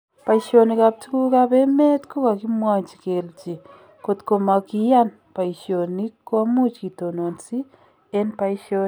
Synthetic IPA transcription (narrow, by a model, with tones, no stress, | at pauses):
pa˨iʃo˨ni˨ka˨p̚tu˦ku˦ka˦be˦me˦tko˦ka˨ki˦mwa˦ɲt͡ʃi̥˨ke˨lt͡ʃi˨ | ko˨tko˨ma˨ki˦ja˦n | pa˨i˨ʃjo˨ni˦kːwa˦mu˦t͡ʃki˨to˨no˨nsi˦ | e˦npa˨i˦ʃo˦